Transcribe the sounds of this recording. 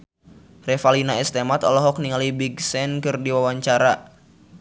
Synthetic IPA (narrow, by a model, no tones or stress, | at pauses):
rɛfalinaɛst̪ɛmat̪ɔlɔɦɔk̚niŋalibiɡsɛnkɨrdiwawaɲt͡ʃaɾa